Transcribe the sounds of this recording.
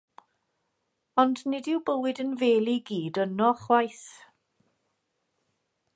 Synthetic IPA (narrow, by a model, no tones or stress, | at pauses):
ɔndnɪdɪwbəwɪdənveːlˠiɡiːdənɔχwajθ